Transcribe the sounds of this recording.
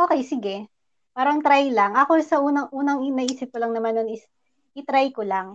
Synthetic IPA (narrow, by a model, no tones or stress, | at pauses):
ʔoːkɛjsɪɡɛ | paːɾɐŋt̪ɾajlaŋʔɐkosɐʔuːnɐŋʔuːnɐŋnɐʔiːsɪp̚kolɐŋnɐmanːonɪs | ʔɪt̪ɾajkolaŋ